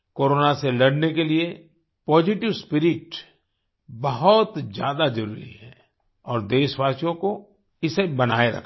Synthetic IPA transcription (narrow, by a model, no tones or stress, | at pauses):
koːɾoːnaselɐɽnekelie | pɔːd͡ʒɪʈɪʋspɪɾɪʈ | bɐɦʊt̪d͡ʒjaːd̪ad͡ʒɐɾṵɾḭɦɛː | ɔːɾd̪eːʃʋaːsjõko | ɪsebɐna̰ːeɾɐ̰kʰ